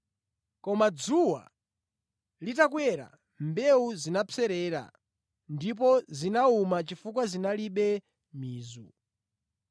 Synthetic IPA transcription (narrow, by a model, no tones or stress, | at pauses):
kɔmad͡zuwa̰ | litakwɛɾa̰ | mbɛuzinapɛɾɛːɾa̰ | ndip̬ɔzinaumat͡ʃifukwazinaliɓɛ | miːzu